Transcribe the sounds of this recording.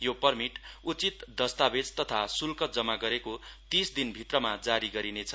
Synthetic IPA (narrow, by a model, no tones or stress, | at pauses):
jopʌrmiʈut͡sit̪d̪ʌst̪abed͡zt̪ʌt̪ʰasulkʌd͡zʌmaɡʌɾekot̪isd̪inbʱit̪rʌmad͡zaɾiɡʌɾinet͡sʰʌ